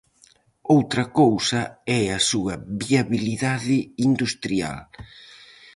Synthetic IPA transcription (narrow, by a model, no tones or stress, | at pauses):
owt̪ɾɐkowsɐɛɐsuɐβiaβiliðaðɪind̪ust̪ɾia̰l